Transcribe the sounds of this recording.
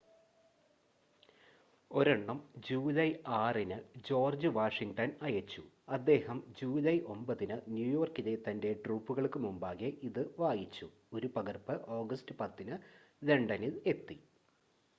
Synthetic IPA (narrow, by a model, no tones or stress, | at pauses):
o̞ɾeɳːɐmd͡ʑuːlɐjaːrinɨd͡ʑo̞ːrd͡ʑɨʋaːʂiŋʈɐnɐjɐt͡ɕːu | ɐd̪ːe̞ːhɐmd͡ʑuːlɐjʔo̞mbɐðinɨnjuːjo̞ːrkiðet̪ːɐnde̞ɖruːpːuɣɐɭkɨmumbaːɣeʔiðɨʋaːjit͡ɕːu | o̞ɾupɐɣɐrpɨʔo̞ːɡɐstɨpɐt̪ːinɨ | de̞ɳɖɐnile̞t̪ːi